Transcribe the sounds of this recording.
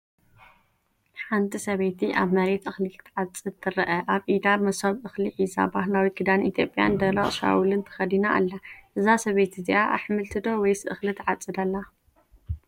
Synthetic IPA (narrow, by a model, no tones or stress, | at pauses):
ħant̪ʰisɐβejt̪ʰiʔaβnɐɾet̪ɨxlɨlt̪ʰʕat͡sʼɨd̪t̪ʰɨɾɐʔɐʔaβʔid̪amɐsɐβʔɨxliħiza̰bahlawiɡɨd̪anʔit̪ʰjo̞pʼːja̰nd̪ɐɾɐχʼʃa̰wulɨnt̪ʰɨ̥xɐd̪inaʔːlːaʔɨzasɐβejt̪ʰiziʔaʔa̰ħmɨlt̪ʰɨd̪o̞wɔjsɨʔɨxlɨt̪ʰɨʕat͡sʼːɨd̪alːa